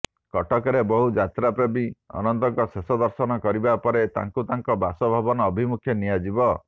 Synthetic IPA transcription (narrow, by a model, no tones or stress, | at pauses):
kɔʈɔkɔɾebɔɦud͡ʒat̪ɾapɾɔbiɔ̰nɔnt̪ɔŋkɔsesɔd̪ɔɾsɔnɔkɔɾibapɔɾet̪a̰ŋkut̪aŋkɔbasɔbʱabɔnɔːbʱimukʰjɔniad͡ʒibɔ